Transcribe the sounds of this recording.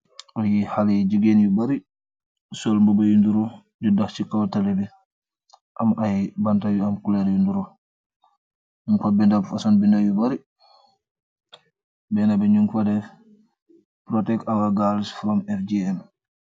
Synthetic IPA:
ɔjihalɛd͡ʒiɡenjubaɾi | sɔlmbɔbajunduɾɔ | d͡ʒudaxt͡ʃikawtalɛbɛ | ʔamʔajbantajuamkulɛɾjunduɾɔ | uŋkɔbɛndabfasanbindajubaɾi | bɛnabɛɲuŋkɔdɛf | pɾɔtɛkawaɡalisfɾɔmɛfd͡ʒiɛm

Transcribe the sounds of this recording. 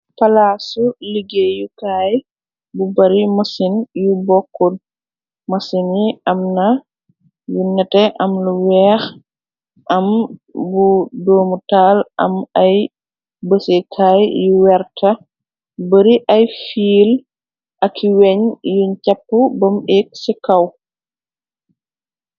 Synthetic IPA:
pɐlasuliɡejukaːj | bubɐɾimɐsinjubɔkːun | mɐsiniɐmnɐ | junɛtɛʔɐmluwɛːx | ʔɐmbudɔːmutaːlʔɐ̰mɐj | bəsekʰaːjjuwɛɾtʰɐ | bəɾiʔɐjfiːl | ʔɐkʰːiwɛɲjuncɐpːubɐmɛk̚sɛkɐw

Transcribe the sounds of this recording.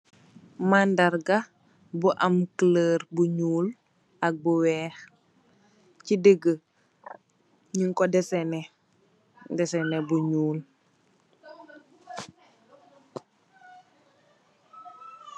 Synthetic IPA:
mandaɾɡa | buʔɐmkləːɾbuɲuːl | ɐk̚buwɛːx | cidəɡə | ɲiŋkɔdɛsɛnɛ | dɛsɛnɛbuɲuːl

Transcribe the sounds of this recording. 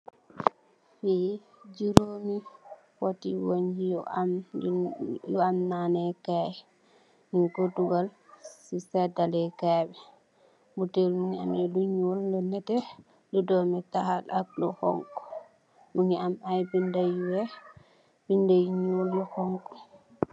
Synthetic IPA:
fi | d͡ʒiɾomi | wotiwoɲd͡ʒijɔ̰ʔam | jɔamnanɛkaj | niŋkotuɡalsisɛdalɛkabɛ | butelnuŋa̰mɛluɲoldɔnɛtɛ | ludɔmɛtahalʔak̚lɔhɔ̰ŋkɔ̥ | nuŋiamajbindajwɛ | bindajɲuljɔhɔŋkɔ̥

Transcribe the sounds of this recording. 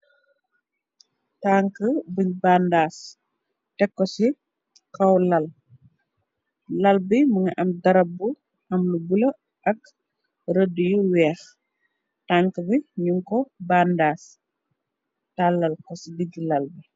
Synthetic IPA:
taːŋkəbəɲbaːndaːs | tɛkːɔsi | kɐwlɐl | lɐlbiməŋɐʔɐmdɐɾɐbːu | ʔɐmlubulə | ʔɐk | ɾədujuwɛːx | taːŋkəbiɲuŋkɔbaːndaːs | talːɐlkɔsidiɟilɐlbi

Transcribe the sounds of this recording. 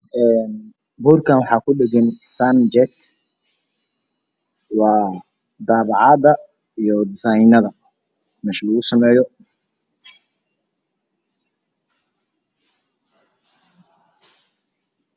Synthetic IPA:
ɛːn | buːrkʰaːnwɑħɑːkʰʊɗɛɡɛnsand͡ʒɛt̪ | wɑː | d̪aːβɑʕɑːðɐ | ijɔd̪ɪsajnɐðɐ | mɛːʃlɐɣʊsɐmɛːjɔ

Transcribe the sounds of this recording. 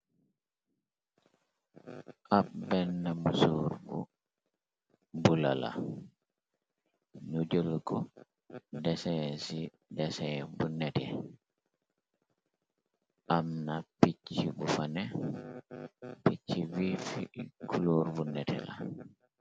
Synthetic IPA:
ʔabɛnːamusuɾbṵ | bula̰la̰ | nud͡ʒolkɔ | dɛsɛsi | dɛsɛbunːɛtɛ | ʔamnapit͡ʃːibufanɛ | pit͡ʃːivifḭkuluɾvunːɛtʰɛ̰la̰

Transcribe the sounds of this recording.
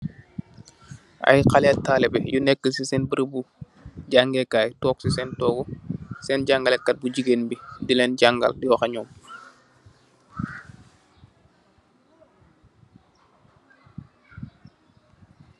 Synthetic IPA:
ʔɐ̰jqalɛtːaːlɛbɛ̰junɛkːəsisɛnbəɾəbu | ɟaŋɡɛkaːjtɔːksisɛntɔːɡɔsɛːnɟaŋɡɐlɛkːɐt̚buɟiɡenbidilɛnɟaŋɡɐ̰ldiwɐxɐɲɔːm

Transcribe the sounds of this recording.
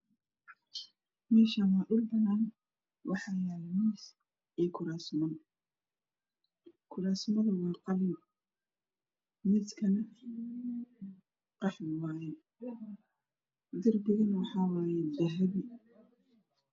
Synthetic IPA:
mɛːʃɐwaːʔʊlbɐnaːn | wɑħɑːjaːlmis | ɛːkʰʊɾaːsmɐn | kʰʊɾaːsmɐðʊwɑːqɑlɪm | mɪskʰɐnɐ | qɑħwaːjɛ | d̪ɐrbɪɣɐnwɑħɑːwɑːjɛd̪ɐɦɐβɪ

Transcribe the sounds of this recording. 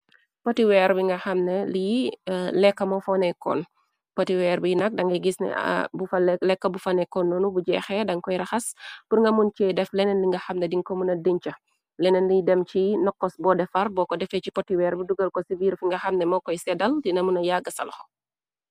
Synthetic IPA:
pɔtiwɛːɾbiŋɡɐxɐmnɛlijlɛkːɐmɔfɔnɛkɔ̰ːn | pɔtiwɛɾbijnɐk̚dɐŋɡɐɡisnɛ̰bufɐlɛkːɐbufɐnɛkɔnːɔːnubuɟɛxɛdɐŋkɔjɾɐxɐspurŋɡɐmunt͡ʃɛːdɛflɛnɛnliŋɡɐxɐmnɛdiŋkɔmunɐdiɲt͡ʃɐ | lɛnɛnlijdɛmt͡ʃinɔkːɔsbɔdɛfɐrbɔːkɔdɛfɛcipɔtːiwɛːɾbuduɡɐlkɔsiviːrfiŋɡɐxɐmnɛmɔkɔjsɛdɐldinɐmunɐjaɡɐsɐ̰lxɔ̥

